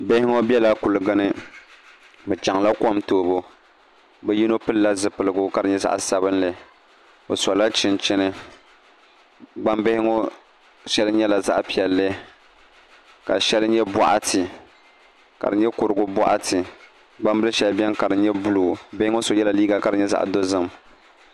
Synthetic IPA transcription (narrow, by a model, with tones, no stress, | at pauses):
bɪ˦hɪ˦ŋo˦bɛ˦la˦kʊ˨lɨ˨ɡɨ˦nɨ˦ | bɨ˨t͡ʃa˨ŋla˦kɔ˦mtoː˦bo˦ | bɛ˦ji˦no˦pɨ˦lla˦zɨ˨pɨ˨lɨ˨ɡʊ˦ka˨dɨ˨˦ɲɛ˦za̰˦ʔsa˨bɨ˦nlɨ˦ | o˨sa˨la˦t͡ʃɪ˦nt͡ʃɪ˦nɨ˦ | ɡ͡ba˦mbɪ˦hɪ˦ŋo˦ | ʃɛ˦lɨ˦ɲɛ˦la˨za̰˦ʔpi˨ɛ˨lːɨ˦ | ka̰˨ʃɛ˦lɨ˦ɲɛ˦bɔ̰˨ʔa˦tʰɨ˨ | ka̰˨dɨ˨ɲɛ˦kʊ˨ɾɨ˨ɡʊ˦bɔ̰˦ʔa̰˦tɨ˨ | ɡ͡ba˦mbɨ˦lɨ˦ʃɛ˦lbɛ˦nka˨ɾɨ˨ɲɛ˦bu˦luː˨bɪ˦hɪ˦ŋo˦so˨jɛ˦la˨liː˦ɡa˨ka˨ɾɨ˨ɲɛ˦za̰˦˨ʔdo˦zɨ˦˨m